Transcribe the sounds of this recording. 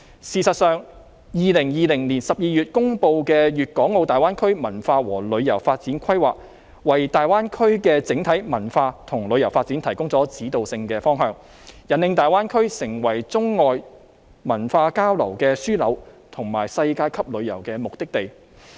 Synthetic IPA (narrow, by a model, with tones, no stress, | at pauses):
siː˨˩sɐ˨t̚sœː˨ŋ | jiː˨lɪ˨˩ŋjiː˨lɪ˨˩ŋliː˨˩nsɐ˨p̚jiː˨˧jyː˨t̚kʊ˥ŋpo˧wkɛː˧jyː˨t̚kɔː˨˥ŋːo˨˧wt̪aː˨jwaː˥nkʰɵ˥ɥmɐ˨˩nfaː˧wɔː˨˩lɵ˨˧ɥjɐ˨˩wfaː˧t̚t͡siː˨˥nkʰɐ˥jwa̰ː˨k̚ | wɐ˨˩jt̪aː˨jwaː˥nkʰɵ˥ɥkɛː˧t͡sɪ˨˥ŋt̪ʰɐ˨˥jmɐ˨˩nfaː˧t̪ʰʊ˨˩ŋlɵ˨˧ɥjɐ˨˩wfaː˧t̚t͡siː˨˥nt̪ʰɐ˨˩jkʊ˥ŋt͡sɔː˨˥t͡siː˨˥t̪o˨wsɪ˧ŋkɛː˧fɔː˥ŋɦœː˧ŋ | jɐ˨nːɪ˧ŋt̪aː˨jwaː˥nkʰɵ˥sɪ˨˩ŋwɐ˨˩jt͡sʊ˥ŋːɔː˨j | mɐ˨˩nfaː˧kaː˥wlɐ̰˨˩wkɛː˧syː˥lɐ˨˧w | t̪ʰʊ˨˩ŋmaː˨˩jsɐ˧jkaː˧jkʰɐ˥p̚lɵ˨˧ɥjɐ̰˨˩wkɛː˧mʊ˨k̚t̪ɪ˥k̚t̪e˨j